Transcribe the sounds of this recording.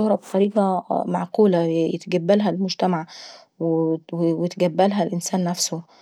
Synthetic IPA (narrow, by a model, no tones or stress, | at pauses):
ohɾˤɑbet̪ˤɑɾiːʔɑma̰ʕquːlæjḛt̪ɡæbːælɦælmʊd͡ʒt̪æmaʕ | wwwjet̪ɡæbːælɦælʔɪnsæːnːæfso